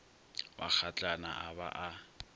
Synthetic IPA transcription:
wa̰k͡xʰat͡ɬʼana̰ʔaβa̰ʔa

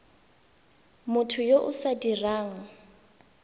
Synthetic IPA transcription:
mʊtʰʊjoʔʊsadiraːŋ̩

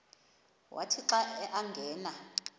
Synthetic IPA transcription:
wʔa̰tʰiǁaɛʔaŋɡʱɛːna

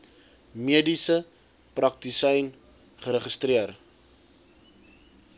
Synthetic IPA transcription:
miədisə | prɐk̚tisɛjn | χəɾəχəstriər

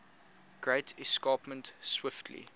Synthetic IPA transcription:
ɡ̥ɹeɪtɪskɑːpmə̃ntswɪftʰlḭ

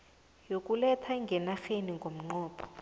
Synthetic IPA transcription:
jokʼulɛtʰaŋɡʱɛnaxeniŋɡʱom̩ŋ͡ǃɔːpʰɔ̥

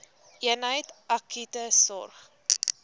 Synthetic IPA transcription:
ʔiənɦəjtɐkʰytəsɔrχ

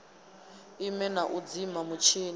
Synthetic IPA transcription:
imɛnaʔud͡zimamut͡ʃʰiːn

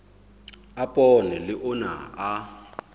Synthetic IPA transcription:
apʼɔnɛlɪʔʊna̰a

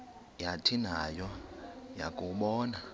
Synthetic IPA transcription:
jatʰinajɔja̰kʼuɓɔːna

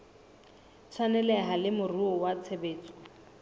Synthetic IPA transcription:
t͡sʰanɛlɛɦalɪmʊruɔwat͡sʰebeːt͡sʼɔ̥

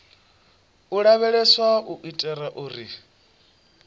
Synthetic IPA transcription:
uɺaβɛɺɛswaʔuʔitʼɛɾaʔuːri

